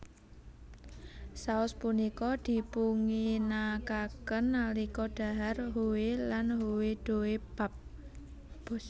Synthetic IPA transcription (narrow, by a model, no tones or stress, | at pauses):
saʊspunikɔd̪̥i̤puŋinakakənːalikɔɖ̪̥a̤ɦarɦuwelanɦuwed̪̥o̤web̥a̤p̚ | b